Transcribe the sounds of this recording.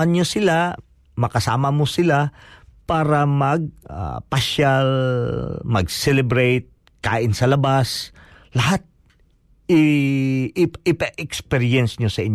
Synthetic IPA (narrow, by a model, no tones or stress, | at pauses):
ɐnɲosɪla | mɐkɐsa̰ːmɐmosɪlapaːɾɐmɐɡ̚a̰pɐʃal | mɐ̰ɡsɛlɛbɾɛjt̪̚ | ka̰ːʔɪnsɐlɐbas | lɐɦat̪̚ | ʔɪ | ɪɪpɐʔɛkspɛɾjɛnsɲosɐʔɪɲ